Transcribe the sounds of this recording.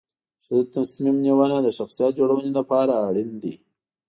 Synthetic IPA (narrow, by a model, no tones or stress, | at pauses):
sʊd̪t̪asmimniwanad̪əʃaxsijɑt̪̚d͡ʒoɽawəned̪apɑɾaːɽind̪ḭ